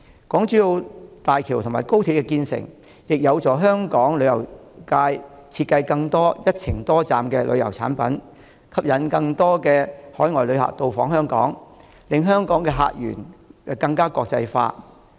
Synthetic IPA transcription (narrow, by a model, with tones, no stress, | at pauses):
kɔː˨˥ŋt͡syː˨˥jo˧wt̪aː˨jkʰiː˨˩wt̪ʰmaː˨˩jko˥wt̪ʰiː˨˧kɛ˧kiː˧nsɪ̰˨˩ŋ | jɪ˨k̚jɐ˨˧wt͡sɔː˨˥ɦœː˥ŋkɔː˨˥ŋlɵ˨˧ɥjɐ˨˩wkaː˧jt͡sʰiː˧t̚kːɐ˧jkɐ˧ŋt̪ɔː˥jɐ˥t̚t͡sʰɪ˨˩ŋt̪ɔː˥t͡saː˨mkɛː˧lʔɵ̰˨˧ɥjɐ̰˨˩wt͡sʰa̰ː˨˥npɐ˨˥n | kʰɐ˥p̚jɐ˨˥nkɐ˧ŋt̪ɔː˥kɛː˧hɔː˨˥jŋɔː˨jlɵ˨˧ɥha̰ː˨k̚t̪o˧wfɔː˨˥ŋɦœː˥ŋkɔ̰ː˨˥ŋ | lɪ˨˧ŋɦœː˥ŋkɔː˨˥ŋkɛː˧ɦa̰ː˧k̚jyː˨˩nkɛ˧kɐ˧ŋkaː˥kɔː˧k̚t͡sɐ˧jfa̰ː˧˥t